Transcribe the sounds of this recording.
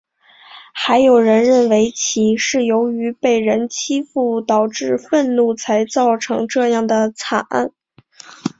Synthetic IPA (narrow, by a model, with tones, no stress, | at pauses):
xa˧˥ɪjo˨˩ʊɻə˧˥nɻə˥˩nwe˧˥ɪt͡ɕʰi˧˥ʂɻ̩˥˩jo˧˥ʊy˧˥pe˥˩ɪɻə˧˥nt͡ɕʰi˥fu˥˩t̪ɑ˨˩ʊʈ͡ʂɻ̩˥˧fə˥˧nnu˥˩t͡sʰa˧˥ɪt͡sɑ˥˩ʊʈ͡ʂʰɤ˧˥ŋʈ͡ʂɤ˥˧jɑ˥˩ŋd̪ə˩t͡sʰa˨˩a̰˥˩n